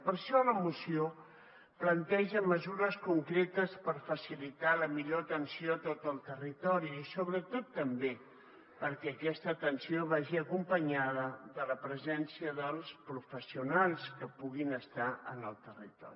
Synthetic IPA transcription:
pəɾʃɔləmusio | plənt̪ɛʒəməzuɾəskuŋkɾet̪əspəɾfəsilit̪aləmiʎoət̪ənsioət̪ot̪əlˠt̪ərit̪ɔɾiːsoβɾət̪ot̪ːəmbe | pəɾkɛəkɛst̪ət̪ənsioβaʒiəkumpəɲaðəðələpɾəzɛnsiəðəlˠspɾufəsiunalˠskəpuɣinəst̪aə̰nəlˠt̪ərit̪ɔ̰ɾi

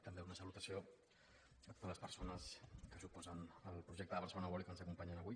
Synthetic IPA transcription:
t̪əmbeunəsəlut̪əsio | ət̪o̥t̪ələspəɾsonəskəsupɔzənəlpɾuʒɛk̚t̪əðəβərsəlonəβɔlikənzəkumpaɲənəβuj

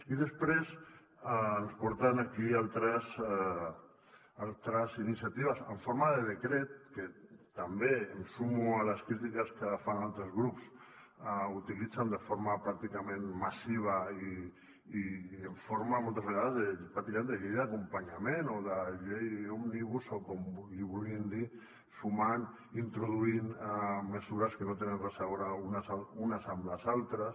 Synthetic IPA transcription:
iðəspɾes | aənspɔɾt̪anakialt̪ɾas | alt̪ɾazinisjat̪iβasə̰ɱfoɾmaðeðekɾet̪̚ket̪ambeemsumualaskɾit̪̬ikaskafanalt̪ɾəzɣɾups | aut̪ilid͡zand̪əfoɾmapɾak̚t̪ikamẽnmasiβ̞aiː | eɱfoɾmamolˠt̪azβəɣaðazðepɾak̚t̪ikaend̪eʎejðakumpaɲamenoðaʎejomniβusokomiβulɣiənd̪i | suman | int̪ɾuð̞uinaməsuɾaskənot̪enemresaβɾaunasaunasamlazalˠt̪ɾas

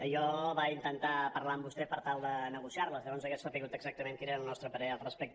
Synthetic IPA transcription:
jɔβaint̪ənt̪apəɾlaəmbust̪ɛpəɾt̪alˠd̪ənəɣusiaɾləzʎəɔnzəkɛsfapiɣut̪əɡzak̚t̪əmeŋkiɾeɾəlˠnɔst̪ɾəpəɾɛəlˠrəspɛk̚t̪

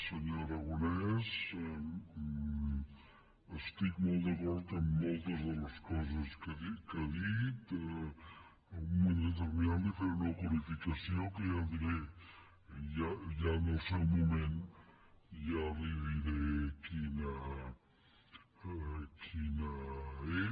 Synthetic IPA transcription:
səɲoɾaɣonɛz | əst̪ikmolˠt̪d̪akɔɾt̪əmːolˠt̪əzðələskɔzəskəikəðit̪ | umẽnet̪̬əβiand̪ifeɾnəkuɾifikasiokəjad̪iɾe | jajanəlselmumẽn | jariβiɾekina | kʰinae

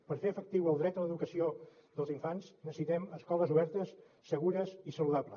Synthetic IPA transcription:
pəɾfeəfək̚t̪iwəlˠd̪ɾɛt̪ələðukəsioðəlˠziɱfanznəssit̪ɛməskɔləzuβɛɾt̪əsː | əɣuɾəsisəluðaplə

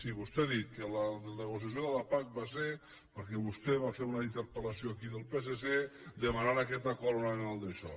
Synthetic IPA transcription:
siβust̪eðit̪̚kələnəɣos̬jasjoðəlapak̚bas̬e | pəɾkɛβust̪ɛβafeɾunaint̪əɾpəlasjoakiðəlˠpes̬esed̪əmanaɾakɛt̪akolonanalˠd̪əʃɔ̰

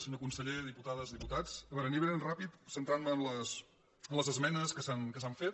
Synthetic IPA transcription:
seɲokunsəʎeðiput̪aðəzðiput̪at͡səβɛɾəniβeənrapit̪sənt̪ɾanməːnləs | ənləzəzmɛnəskəsankəsaɱfet̪̚

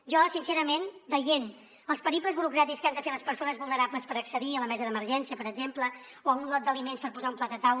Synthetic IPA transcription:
ʒɔsinseɾəmenbəjen | əlˠspəɾiplˠəzβuɾukɾat̪ikskand̪əfeləspəɾsonəzβulˠnəɾapləspəɾəksəðiələmɛzəðəməɾʒɛnsiəpəɾəɡzemplə | oəunlɔt̪̚d̪əlimenspəɾpuzaumplaət̪aw

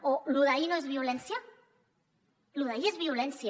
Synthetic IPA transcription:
oluðainoezβjolensja | luðaiezβiolensja

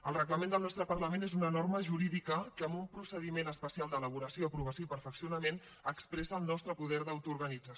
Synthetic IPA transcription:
əlˠrəɣləmend̪əlˠnɔst̪ɾəpəɾrləmenezunənorməʒuɾiðikəkəəmbumpɾusəðimenəspəsialˠd̪ələβuɾəsjoəpɾuβ̞əsjoipəɾfəksiunəmen | əkspɾɛsəːlˠnɔst̪ɾəpuðɛɾðəwt̪uːɾɣənid͡zə

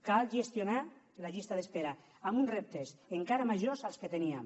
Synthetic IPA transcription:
kalʒest̪jona | laʎist̪aðespeɾa | amunrep̚t̪eseŋkaɾamaʒozalsket̪eniam

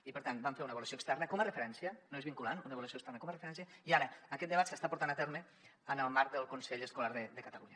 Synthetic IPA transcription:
ipəɾt̪anbamfeɾunəβulusioəkst̪ɛrnəkomərəfəɾɛnsiənoezβiŋkulanunəəlusiokst̪ɛɾrnəkomrəfəɾɛnsiəiaɾəːkɛt̪̚d̪əβat̪səst̪apuɾt̪anat̪ɛɾmə | ənəlˠmaɾk̚d̪əlˠkunseʎəskulaɾðəd̪əkət̪əluɲə

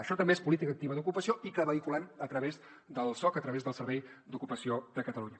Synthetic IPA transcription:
əʃɔt̪əmbeespulit̪ikəːk̚t̪iβəðukupəsioikəβəikulanət̪ɾəβez | d̪əlˠsɔkət̪ɾəβezðəlˠsəɾβɛjd̪ukupəsiod̪əkət̪əluɲə

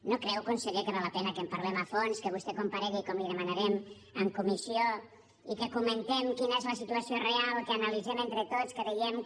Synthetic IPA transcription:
nokɾɛwkonsəɣekəβaləpɛnəkəmpaɾlɛməfonskəβ̞ust̪ɛkompaɾɛɣikɔmliðəmanaɾɛm | əmkumisio | ikəkumənt̪ɛmkinəezləsit̪uɐsiorealˠkəːnalid͡zɛment̪ɾət̪ot͡skəðiɣɛm

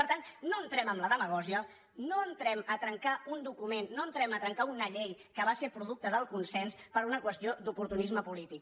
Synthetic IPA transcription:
əɾt̪anːoənt̪ɾɛməmləðəməɣ̞ɔʒiə | noənt̪ɾɛmət̪ɾəŋkaund̪ukumenːoənt̪ɾɛmət̪ɾəŋkaunəʎejkəβaseɾpɾuðuk̚t̪əðəlˠkunsɛnspəɾunəkwəst̪iod̪upuɾt̪unizməpulit̪ik̚

